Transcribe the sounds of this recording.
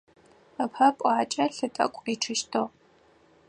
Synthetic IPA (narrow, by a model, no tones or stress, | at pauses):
ɐpʰɐpʷʼaːt͡ʃʼɐɬɨtʼɐ̰kʷʼriːʈ͡ʂʰɨʃtʰo